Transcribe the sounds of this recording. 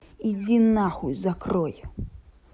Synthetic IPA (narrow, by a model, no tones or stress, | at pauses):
id͡zʲinːaxujzakrɔj